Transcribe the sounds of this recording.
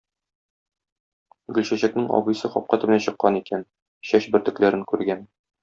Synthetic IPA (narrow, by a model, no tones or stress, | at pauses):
ɡɵ̆lɕæɕæknɘŋɒ̰bɤ̆jsɤχɒp̚qæt̪ɘ̆bɘ̆næɕɤ̆qːɑnikæn | ɕæɕbɘɾt̪ɵ̆klæɾɘŋkʉɾɡæn